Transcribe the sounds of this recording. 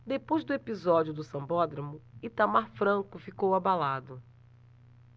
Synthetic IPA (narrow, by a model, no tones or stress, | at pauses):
d̪epojzd̪ʊepizɔd͡ʒiʊd̪ʊsɐ̃bɔd̪ɾɐmʊɪt̪amaɾfɾɐ̃kʊfikowabalad̪ʊ